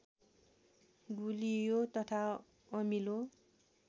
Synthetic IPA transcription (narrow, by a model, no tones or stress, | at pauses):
ɡulijot̪ʌt̪ʰa | ʌmilo